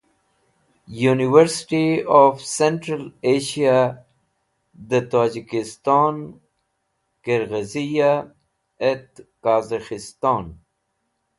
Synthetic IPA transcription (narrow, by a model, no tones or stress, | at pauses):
juniwəɾsɪ̥ʈiɔːfseɳʈɾəleːʃija | d̪ət̪aːd͡ʒikɪst̪ɑːn | kəɾɣəzija | et̪kaːzaxɪst̪ɑːn